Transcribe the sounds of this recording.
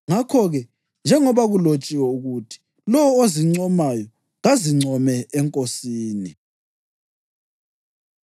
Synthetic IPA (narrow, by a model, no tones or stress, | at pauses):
ŋakʰɔɣɛ | nd͡ʒʱɛŋɔβaɣulot͡ʃʼiwɛuɣutʰi̥ | lɔwɔoziŋ͡ǀɔmajɔ | ɣaziŋ͡ǀʱɔmɛɛŋkʼosiːni